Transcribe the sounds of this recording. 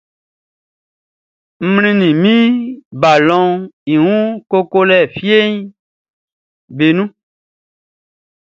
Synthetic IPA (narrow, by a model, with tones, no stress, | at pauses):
m̩˦mlĩ˦nĩ˨mĩ˦ba˨lɔ̃˦i˨wũ˦ko˦ko˦lɛ˦˨fje˦ɲ˦ | be˨nũ˦